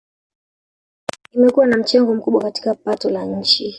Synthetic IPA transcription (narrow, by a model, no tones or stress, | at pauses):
nimɛkuwanam̩t͡ʃɛŋɡɔm̩kuɓwakati̥kapatɔlaɲ̩t͡ʃi